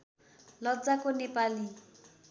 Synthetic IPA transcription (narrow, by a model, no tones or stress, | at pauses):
lʌd͡zakonepali